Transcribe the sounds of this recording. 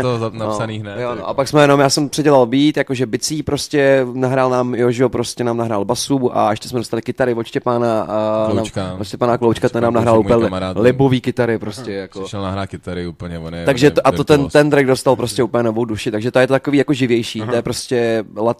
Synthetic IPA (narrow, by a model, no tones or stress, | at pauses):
nnosaninɛjonoʔapaksmɛjɛno̞mjaːsɛmpr̥ɛɟɛlalbiːt̪jakoʒɛbɪt͡siːpɾo̞scʲɛnaɦɾaːlnaːmjoʒɪopɾo̞scɛnaːmnaɦɾaːlbasuːʔa̰ʔɛʃcɛ̥smɛdost̪alɪkɪt̪aɾɪvot͡ʃcɛpaːnanaːmvotʃcɛpaːnaklowt͡ʃkat̪ɛnnaːmnaɦɾaːllupɲɛɛɾalɪboviːkɪt̪aɾɪpɾoscɛjakoʃɛlnaɦɾaːt̪̚kɪt̪aɾɪupl̩ɲɛvonɛt̪aɡʒɛt̪oʔat̪ot̪ɛnt̪ɛnt̪ɾɛɡdo̞st̪alpɾoscʲɛuːpəlɲɛno̞vo̞wduʃɪt̪aɡʒɛt̪ojɛt̪ot̪ako̞viːjako̞ʒɪvjɛjʃiːt̪ojɛpɾoscɛlat̪